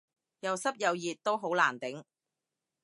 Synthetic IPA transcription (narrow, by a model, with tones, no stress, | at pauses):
jɐ˨˧wsɐ˥p̚jɐ˨˧wjiː˨t̚t̪ːo˥wɦo˨˥wlaː˨˩nt̪ɪ˨˥ŋ